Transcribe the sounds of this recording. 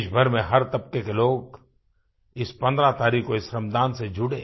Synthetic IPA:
ʃbʱəɾmẽɦɐɾt̪ɐb̚kekeloːɡ | ɪspɐ̃nd̪ɾat̪aːɾiːkoɪsɾɐmd̪aːnsed͡ʒʱʊɽeː

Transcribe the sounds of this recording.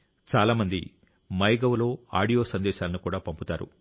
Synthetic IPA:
t͡ʃaːlaːmɐnd̪ḭ | mɐjɡɐʋlo̞ːa̰ːɽijo̞ːsɐnd̪ɛːʃaːlɐnukuːɽaːpɐmput̪aːɾṵ

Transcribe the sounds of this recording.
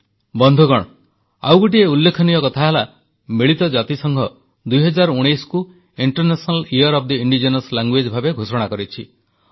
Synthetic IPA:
bɔnd̪ʱoɡɔɽ̃ | a̰wɡoʈ̬ieulːekʰɔnijɔkɔt̪ʰaɦela | meɭit̪ɔd͡ʒat̪isɔŋɡʱɔ | d̪ujɦɔd͡ʒaɾɔuɽ̃ejsku | iɳʈɔɾnesɔnaliɔɾɔp̚d̪iiɳɖid͡ʒenɔslaŋɡwed͡ʒbʱabeɡʱusɔɽ̃akɔɾit͡ʃʰi

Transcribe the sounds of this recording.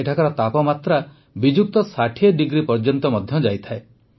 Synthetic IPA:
eʈʰakɔɾɔt̪apɔmat̪ɾa | bid͡ʒuk̚t̪ɔsaʈʰiɔɖiɡɾipɔɾd͡ʒɔnt̪ɔmɔd̪ʱjɔd͡ʒajt̪ʰae

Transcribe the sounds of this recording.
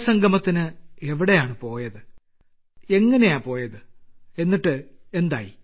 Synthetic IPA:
sɐŋɡʱɐmɐt̪ːinɨeʋiɽe̞jaːɳɨpo̞ːjɐðɨ | e̞ŋːɐnejaːpo̞ːjɐðɨe̞nːiʈːɨe̞nd̪aːji

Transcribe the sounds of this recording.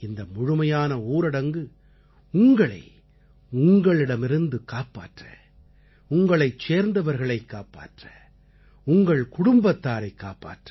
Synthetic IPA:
ɪnd̪ɐmʊɻʊmɐjaːnɐuːɾɪɽɐŋɡɯ | ʊŋɡɐɭɐ̰ɪ | ʊŋɡɐɭɪɽɐmɪɾɯnd̪ɯkaːpːa̰ːʈrɐ̰ | ʊŋɡɐɭɐɪt͡ʃːeːɾnd̪ɐʋɐɾɣɐɭɐɪkːaːpːa̰ːʈrɐ | ʊŋɡɐɭkʊɽʊmbɐt̪ːaːɾɐɪkːaːpːa̰ːʈrɐ

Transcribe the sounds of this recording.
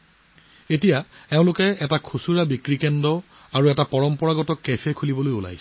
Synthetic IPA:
etijaɛʊ̃lʊkɛɛtakʰusuɹabikɹikɛndɔ | aɹuɛtapɔɹɔmpɔɹaɡɔtɔkːepʰɛkʰulibɔlojula̰jsɛ

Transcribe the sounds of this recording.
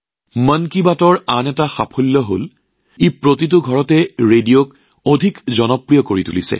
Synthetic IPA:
mənkibatɔɹanɛtaxapʰulːɔɦo̰l | epɹotit̬ʊɡʱɔɹɔtɛɹedijok | odʱikzɔnɔpɹijɔkoɹitṵlisɛ̰

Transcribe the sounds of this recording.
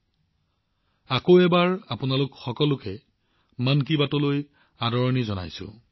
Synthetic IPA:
akoɛbaɹapʊnalʊkxɔkɔlʊkɛ | mankibatɔloj | adɔɹɔnizɔna̰jsʊ̰̃

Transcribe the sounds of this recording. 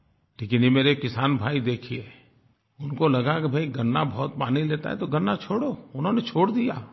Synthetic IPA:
ʈʰikinimeːɾekɪsaːnbʱaːid̪eːkʰie | ʊnkolɐɡakebʱɐiɡɐnːabɔːt̪̚paːnileːt̪a̰ɦɛ̰t̪oɡənːat͡ʃʰoːɽoʊnɦõnet͡ʃʰoːɽd̪ijaː

